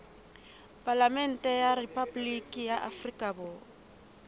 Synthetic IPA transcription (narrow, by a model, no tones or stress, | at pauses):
pʼalamɛn̩tʼɛjaripʰʼablikʼijaʔafrikʼabɔː